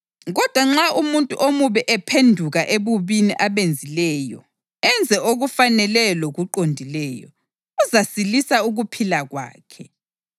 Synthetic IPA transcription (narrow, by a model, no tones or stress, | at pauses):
ɣɔd̥ʱwaŋ͡ǁaumuntʼṵʔomuβɛʔɛpʰendʱuɣaʔeβuβiniʔaβend͡zʱilɛːjɔ̰ | ɛnd͡zʱɛoɣufanɛlɛloɣuǃondʱilɛːjɔ̰ | uzasilisauɣupʰilaɣwa̰ːkʰɛ